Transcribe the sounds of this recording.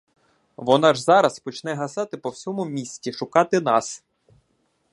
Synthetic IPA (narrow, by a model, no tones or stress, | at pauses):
ʋɔnɑʒzɑɾɐspɔt͡ʃn̪ɛɦɐsɑt̪ɪpɔwsʲɔmʊmʲisʲtʲiʃʊkɑt̪ɪn̪ɑs